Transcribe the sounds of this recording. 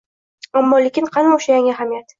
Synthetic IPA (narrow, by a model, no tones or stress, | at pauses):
amːɒlekʲɪnqʰɑnʊʃajaŋʲɪaɦamijat̪